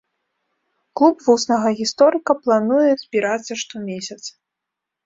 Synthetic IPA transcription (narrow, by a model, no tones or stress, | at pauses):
klˠupvusnɐɣɐɣʲist̪ɔɾɨkɐplˠanujɛzʲbʲiɾat̪sːɐʂt̪ɔmʲesʲɐt̪s